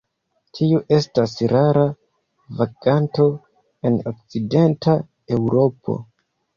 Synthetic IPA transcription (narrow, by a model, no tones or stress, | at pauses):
tʰiuʔe̞stasɾaɾa | vaɡ̥anto̞ | e̞nok̚t͡side̞nta | e̞wɾo̞pʰo̞̰